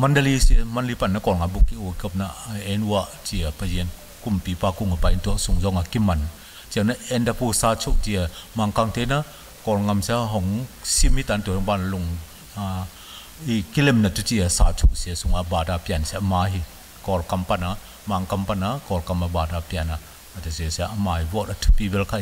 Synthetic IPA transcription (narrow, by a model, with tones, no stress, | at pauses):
mɐ˨ndɐ˧li˦si˨ɐ˦mɐ˧nli˧pɐ˨nːɐ˦kɔ˨ɾŋa˨mbu˧˨kːi˦ʔu˨kɔ˧p̚na˧e˧nu˧a˧ʔt͡ʃi˧ɐ˨pɐ˧zi˧˨n | ku˨mpi˨˦paː˧ku˧˨ŋa˨pa˧˨jntu˨ɐ˨su˨ŋzɔ˧ŋa˨ki˦mɐ˨n | t͡ʃi˧a˨na˦ɛ˧ndɐ˧pu˧saː˧t͡ʃʰu˦k̚ti˧ɐ˨ma˧˨ŋka˧ŋte˧na˦ | kɔ˨ɾŋa˧mse˦ɦɔ˨ŋsi˦mi˦ta˨ntu˨ɔ˧ŋba˧na˧lu˧˨ŋ | iki˦lɛ˧˨mnɐ˨tu˦ti˧ɐ˨saː˧t͡ʃʰu˦k̚si˨a˨su˨ŋa˨baː˨da˧pia˨nsɛ˧˦ʔɐmaː˧ɦi˧ | kɔ˨rkɐ˧mpɐ˧na˨ | ma˨ŋka˧mpa˧˨na˨kɔ˨rka˧ma˧˨baː˨da˧pi˧ɐ˨na˨ | ɐ˨tu˨si˧˨si˧a˧ʔɐ˧maː˧hi˨bɔ˦tɐ˧tʰu̥˧pi˧bɛ˧lkʰa˧˨